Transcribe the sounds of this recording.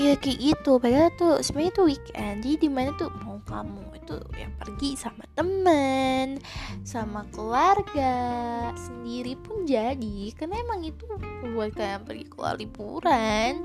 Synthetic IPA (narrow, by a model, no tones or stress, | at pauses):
jakəʔit̪upadalat̪usəmaɲat̪uwikand͡ʒadidimanat̪umaukamuit̪ṵja̰ŋpərɡisamat̪əmənsamakəluarɡasəndiɾipʊnd͡ʒadikarnaemaŋit̪uəuat̪kanpərɡikəlṵa̰rlipṵɾan